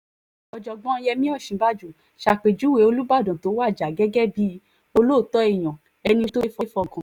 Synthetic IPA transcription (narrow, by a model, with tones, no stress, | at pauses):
ɔ˧˨d͡ʒɔ˧˨ɡ͡bɔ̃˦jɛ˧mĩ˦ɔ˦˨ʃĩ˨˧˦ba˦d͡ʒu˦˨ | ʃa˧˨k͡pe˨d͡ʒu˨˦we˨˦o˧lu˦ba˦˨dɔ̃˨to˨˦wa˦˨d͡ʒa˨ɡɛ˦ɡɛ˦bi˨˦ | o˧lo˦˨tɔ˦i˦˨j̃ɔ̃˨ | ɛ˧nĩ˧to˦fɔ˦fɔ˧˨kã˨